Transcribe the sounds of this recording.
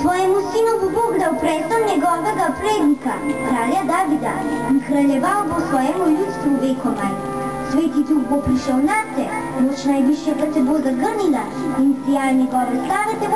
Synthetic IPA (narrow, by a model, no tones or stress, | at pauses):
t̪ʋɔːjɛmusinɔvoboɡd̪awpɾɛːsɔmnɛɡɔːʋɛɡapɾeːd̪nikakɾaːljad̪aːʋid̪ainkɾaʎɛʋawbosʋɔːjɛmuljut̪st̪ʋuʋeːkɔm | sʋeːt̪it̪uɡbopɾiʃɛwnat̪ɛ | nɔt͡ʃnajbiʃjɛpat̪sɛbozaɡəɾnila | insijajnɛɡɔːʋɛslaːʋɛt̪ɛ